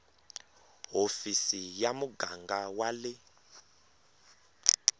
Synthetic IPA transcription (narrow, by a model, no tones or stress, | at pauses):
ɦofisijamuɡaŋɡawalɪ